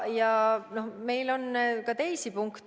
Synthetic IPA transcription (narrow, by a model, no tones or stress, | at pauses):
jɑno̞hme̞jlo̞nkɑt̪e̞jsipuŋkt̪